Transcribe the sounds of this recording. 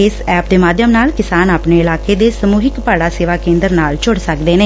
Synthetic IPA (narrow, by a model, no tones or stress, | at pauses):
ɪsɛːp̚d̪eːmaːd̪jəmnaːlkɪsaːnaːpneːɪlaːkeːd̪eːsəmuːɦɪkpaːɽaːseːʋaːkẽːnd̪əɾnaːlt͡ʃʰʊɽsəkd̪eːneː